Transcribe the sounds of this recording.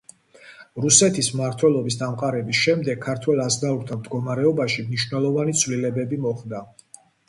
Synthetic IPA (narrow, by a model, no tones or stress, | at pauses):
ɾusɛt̪ʰismaɾt̪ʰwɛlˠɔbisd̪amqʼaɾɛbisʃɛmd̪ɛkʰːaɾt̪ʰwɛlˠasnauɾt̪ʰamd̪ɡɔmaɾɛɔbaʃimniʃwnɛlˠɔvanit̪sʰvlilɛbɛbimɔχd̪a